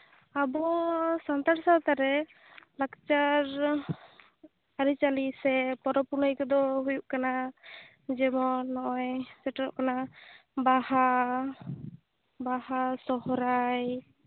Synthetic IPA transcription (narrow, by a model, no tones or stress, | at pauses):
abɔsant̪aɾsat̪aɾɛ | lakt͡ʃaɾ | aɾit͡ʃalisɛpɔɾɔpuɾnɔjkɔd̪ɔɦujuʔkana | d͡ʒɛmɔnɔʔɔjsɛʈɾɔ̰ʔkanabaha | bahasɔhɾaj